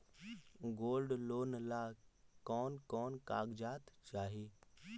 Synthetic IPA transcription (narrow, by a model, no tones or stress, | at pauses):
ɡoːlɖloːnlakɔːnkɔːnka̰ːɡd͡ʒaːt̪t͡ʃaːɦe